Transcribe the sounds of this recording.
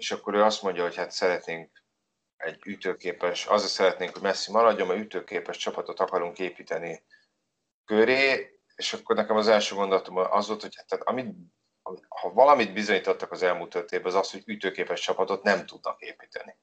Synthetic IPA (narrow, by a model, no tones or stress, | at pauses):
eʃɒkːo̞ɾøːɒst̪mo̞ɲɟɒɦo̞chat̪sɛɾɛt̪neːŋk̚ | ɛɟːyt̪øːkeːpɛʃɒ̰zeːsɛɾɛt̪neːŋkho̞ɟmɛsːimɒɾɒɟːo̞mːɛyt̪øːkeːpɛʃt͡ʃɒpɒt̪o̞t̪ɒkɒɾuŋkeːpiːt̪ɛni | køɾeː | eːʃɒkːo̞rnɛkɛmɒzɛlʃøːɡo̞nd̪olɒt̪omonʔɒ̰zʋo̞lt̪ho̞chat̪ːæt̪ɒ̰mit̪ | ɒhɒvɒlɒmid̪bizo̞ɲiːt̪ot̪ːɒkɒzɛlmuːlt̪ørt̪eːbɒzɒsho̞ɟyt̪øːkeːpɛʃt͡ʃɒpɒt̪o̞t̪nɛmt̪ud̪nɒkeːpi̥ːt̪ɛ̰ni